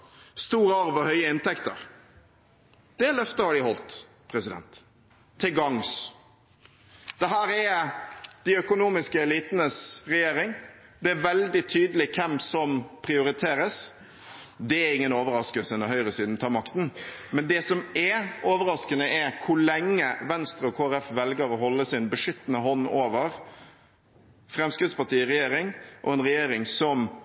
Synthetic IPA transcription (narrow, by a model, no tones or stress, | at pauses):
st̪uːɾəɑɾʋəhœʏəɪnt̪ɛkt̪ə̰ɾ | d̪̥ɛlœft̪əhɑɖɪhɔlt̪ | pʰɾɛsɪd̪ɛ̰nt̪ʰː | ɪlɡɑŋs | d̪̥ɛɦæːɾɛ | d̪̥ɪœkʊnuːmɪskəɛliːt̪nəsɾɛjeːɾɪŋd̪ɛæɾʋɛld̪ɪt̪ʰyːd̪əlɪkʰɛmsɔmpʰɾɪʊɾɪt̪ʰeːɾəs | d̪ɛæɾɪŋːənoːʋəɾɑskəlsəɛnɔɦhœʏɾəsiːd̪n̩t̪ʰɑːɾmɑkt̪n̩mɛnd̪ɛsɔmɛoːʋəɾɑskənəʔɛɾkʰʊɭɛŋːəʋɛnst̪ɾəɔkʰoːæɾɛfʋɛlɡəɾɔɦɔlːəsɪnbəʂʏt̪ːnəhɔnːoːʋəɾ | fɾɛmskɾɪd̪spɑʈ̪iːɾɛjeːɾɪŋʔɔ̰ɛnɾɛjeːɾɪŋsɔm